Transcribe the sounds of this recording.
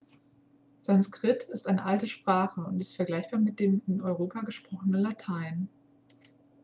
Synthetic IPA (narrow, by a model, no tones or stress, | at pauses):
z̥anskʁ̥ɪtʰɪstʔaɪnəʔaltəʃpʁ̥aːχəʊntɪstfɛɐɡlaɪçb̥aːɐmɪt̚d̥eːmɪnɔʏʁoːpaɡəʃpʁ̥ɔχənənlatʰaɪn